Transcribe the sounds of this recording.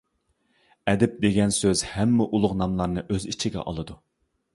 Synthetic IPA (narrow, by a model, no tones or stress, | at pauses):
ɛd̪ɪp̚d̪eɡʲɛnsøzhɛmːɛʔulˠʊʁnɑmlˠɑɾnɨʔøzit͡ʃʰiɡʲɛ̰ʔɑ̰lˠɨd̪u